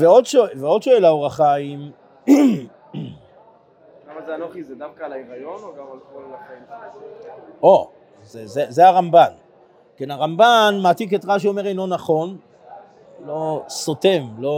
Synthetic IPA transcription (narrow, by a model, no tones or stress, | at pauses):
veodʃoveodʃoelauʁaχaim | lamazeanoχized̪avkaːlaeʁajonoɡamalkollaχaim | ʔo̞ | zezezeaʁamban | kenaʁambanmaːtik̬etʁaʃ̬eome̞ʁejnlo̞naχo̞n | lo̞sote̞mlo̞